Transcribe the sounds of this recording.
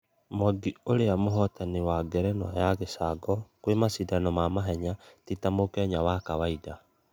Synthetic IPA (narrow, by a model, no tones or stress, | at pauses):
mɔɡioɾeamoɦɔtanewaɡɛɾɛnwajaɣesaɡɔkwemasidanɔmamaɦɛɲatitamokɛɲawakawaida